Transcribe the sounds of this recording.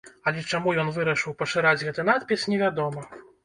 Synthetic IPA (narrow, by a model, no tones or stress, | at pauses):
ɐlʲɛt͡ʂamujɔnvɨɾɐʂɨwpɐʂɨɾad͡zʲɣɛt̪ɨn̪at̪̚pʲisnʲɛvʲad̪ɔmɐ